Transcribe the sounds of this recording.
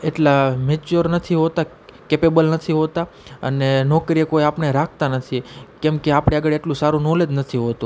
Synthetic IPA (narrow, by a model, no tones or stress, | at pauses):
eʈlamet͡ʃuɾnət̪ʰiɦot̪a | kepebəlnət̪ʰiɦot̪a | ə̰nenɔkɾiekoiapɳeɾakʰt̪anət̪ʰikɛmkeapɽeaɡəɭeʈlũsaɾũnoled̪nət̪ʰiɦot̪ũ